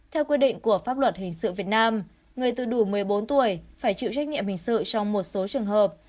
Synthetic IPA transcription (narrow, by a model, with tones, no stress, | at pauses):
t̪ʰɛ˧wkwi˧əɗḭ̈˧˨ŋ̟ku˧˩əfaː˦˥p̚lwə˨˩t̚hï˨˩ŋ̟sɨ̰˧˨vi˨˩ət̚naː˧m | ŋɨ˨˩əjt̪ɨ̰˧˨ɗu˧˩mɨ˨˩əjɓo˨˦nt̪u˧˩əjfaː˧˩jt͡ɕḭ˧˨wt͡ɕa˦˥k̟̚ɲḭ˧˨mhï˨˩ŋ̟sɨ̰˧˨t͡ɕɔ˧wŋ͡mmo˨˩t̚so˨˦t͡ɕɨ˨˩əŋɦəː˨˩p̚